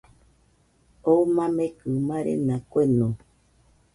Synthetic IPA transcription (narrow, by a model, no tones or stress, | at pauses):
omãmẽkɨmãɾḛnãkʷenõ